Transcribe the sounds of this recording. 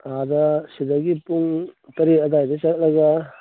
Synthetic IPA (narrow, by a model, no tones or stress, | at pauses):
adɐsidaɡipuŋtɐɾiɐdajdɐsaɡt̚lɐɡa